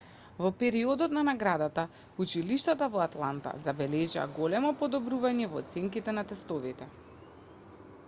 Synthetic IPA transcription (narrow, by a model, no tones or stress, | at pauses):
vɔpɛɾiɔd̪ɔt̪nanaɡɾad̪at̪a | ut͡ʃiliʃt̪at̪avɔat̪lˠant̪a̰zabɛlɛʒa̰ɡɔlɛmɔpɔd̪ɔbɾuvaɲɛvɔ̰ːt̪sɛŋkit̪ɛnat̪ɛst̪ɔvit̪ɛ